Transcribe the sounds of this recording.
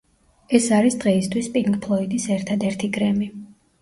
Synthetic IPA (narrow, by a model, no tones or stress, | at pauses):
ɛsaɾisd̪ʁɛist̪ʰwispʼiŋkʼpʰlˠɔid̪isɛɾt̪ʰad̪ɛɾt̪ʰiɡɾɛmi